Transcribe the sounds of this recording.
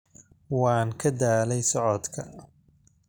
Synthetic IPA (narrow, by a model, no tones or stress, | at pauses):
wɑːŋkʰɐd̪aːlɛjsɔʕɔd̪kʰɐ